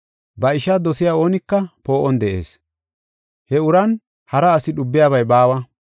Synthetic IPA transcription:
bɐɪʃɐd̪ɔsɪjaːo̞ːnɪkːɐpo̞ːʔɔnd̪ɛʔe̞̰ːs | hɛʊɾɐn | hɐɾɐːsɪɗʊbːɪjaːβɐjbaːwɐ

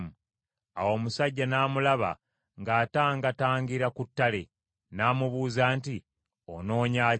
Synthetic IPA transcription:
m | a̰wo̞ːmusaɟːanaːmulaβa̰ | ŋɡaːtaːŋɡataːŋɡiɾakutːale | naːmuβuːzaːnti | o̰no̞ːɲa

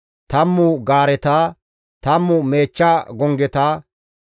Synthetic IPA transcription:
t̪ɐmːʊɡaːɾɛt̪aː | t̪ɐmːʊme̞ːt͡ʃːaːɡɔŋɡɛt̪aː

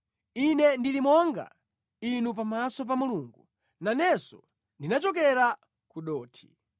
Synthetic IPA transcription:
inɛndilimɔŋɡa̰ | inup̬amasɔp̬amuluːŋɡu | nanɛsɔ | ndinat͡ʃɔkɛɾa | kuɗɔːtʰi̥

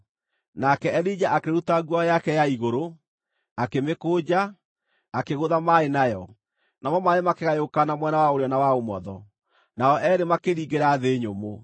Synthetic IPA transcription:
nakɛɛɾid͡ʑaʔakeɾutaɣwajakɛjaiɣoɾo | akemekoːd͡ʑaː | keɣoðamaenajɔ | namɔmaemakeɣajokanamwɛnawaoɾeɔnawaomɔðɔ | naɔʔɛɾemakeɾiːɣɡeɾaðeːɲomo

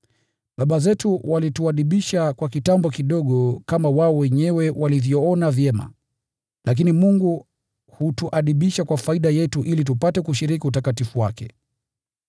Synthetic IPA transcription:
ɓaɓazɛtuwalituaɗiɓiʃakwakitambɔkiɗɔɠɔkamawaɔwɛɲɛwɛwalivjɔɔnavjɛma̰ | lʔak̬inimuŋɡu | hutuʔaɗiɓiʃakwafaiɗajɛtuʔilit̬upatɛkuʃiɾik̬iutakatifuwa̰kɛ̰

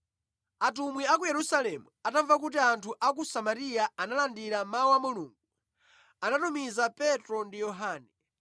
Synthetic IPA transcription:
atumwiakujɛɾusalɛmuataɱvak̬ut̬iantʰuʔakusamaɾijaanalandiɾamawamuluːŋɡu | anatumizapɛtɾɔndijɔɦaːnɛ

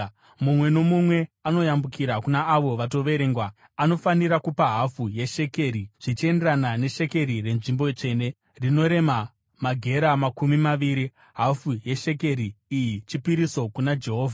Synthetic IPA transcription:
mumwe̞no̞mumwe̞ano̞jambukiɾakunaːʋo̞ʋat̬o̞ʋe̞ɾe̞ːŋɡwa | ano̞faniɾakupaɦafuje̞ʃe̞ke̞ɾiʐ̥it͡ʃie̞nderanane̞ʃe̞ke̞ɾire̞nʐimbo̞t͡ʂe̞ne̞ | rino̞ɾe̞ma | maɡʱe̞ɾamakumimaʋiɾi | ɦafuje̞ʃe̞k̬e̞ɾiːjit͡ʃipiɾiso̞kunad͡ʒe̞ɦo̞ːvʱa

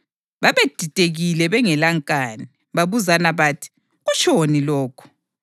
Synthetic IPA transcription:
βaβed̥ʱitʼeɣilɛβɛŋɛlaŋkʼaːni | βaβuzanaβaːtʰi̥ | ɣut͡ʃʼonilɔːkʰɔ̥

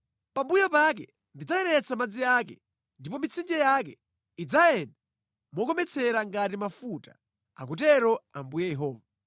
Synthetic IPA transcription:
pambujɔpak̬ɛ | ndid͡zaɛɾɛt͡samad͡ziakɛ̰ | ndipɔmit͡sʰind͡ʒɛjakɛ | id͡zajɛnda | mɔk̬ɔmɛt͡sʰɛɾaŋɡat̬imafuta | a̰k̬ut̬ɛɾɔambujɛjɛɦɔːva

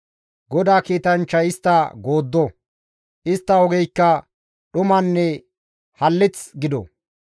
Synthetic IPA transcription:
ɡɔd̪aːkiːt̪ɐnt͡ʃːɐjɪst̪ːɐɡo̞ːd̪ːɔ | ʔɪst̪ːɐɔɡɛjkːɐ | ɗʊmɐnːɛ | hɐlːɪt͡sɡɪd̪ɔ̰

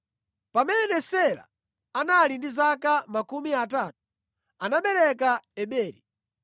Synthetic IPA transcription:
pamɛnɛnɛsɛla̰ | analindizakamakumiat̬aːtu̥ | anaɓɛɾɛkaɛɓɛːɾi

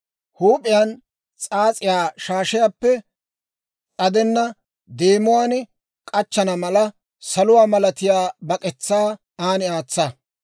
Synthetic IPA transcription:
huːpʼɪjan | t͡sʼaːt͡sʼɪjaːʃaːʃɪjaːpːɛ | ʔɐd̪ɛnːɐ | d̪eːmʊwaːn | kʼɐt͡ʃːɐnɐmɐlɐ | sɐlʊwaːmɐlɐt̪ɪjaːbɐkʼɛt͡sːaː | aːnɪaːt͡sːɐ

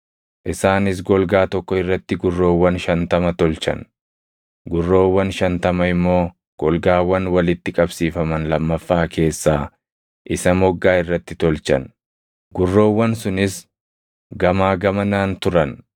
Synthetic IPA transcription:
ʔɪsaːnɪs̬ɡɔlɡaːt̪ɔkːɔɪrːɐt̪ːɪɡʊrːo̞ːwːɐnʃɐnt̪ɐmɐt̪ɔlt͡ʃɐ̰n | ɡʊrːo̞ːwːɐnʃɐnt̪ɐmɐɪmːo̞ː | ɡ̥ɔlɡaːwɐnwɐlɪt̪ːɪkʼɐbsiːfɐmɐnlɐmːɐfːaːkʰe̞ːsːaː | ʔɪsɐmɔɡːaːɪrːɐt̪ːɪt̪ɔlt͡ʃɐ̰n | ɡʊrːo̞ːwːɐnsʊnɪs | ɡɐmaːɡɐmɐnaːnt̪ʊɾɐn

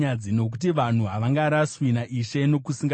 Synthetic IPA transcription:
ad͡zino̞k̬utiʋan̤uɦaʋaŋɡaɾaswinaʔiʃe̞no̞kusiŋɡa

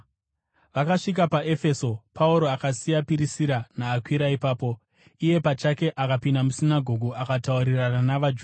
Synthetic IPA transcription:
ʋakaʂik̬apae̞fe̞so̞pʰauɾo̞akasijapiɾisiɾanaːkwiɾaipaːpo̞ | ije̞pat͡ʃake̞ʔakapindamusinaɡʱo̞ɡʱuʔakatauɾirananaʋad͡ʒu

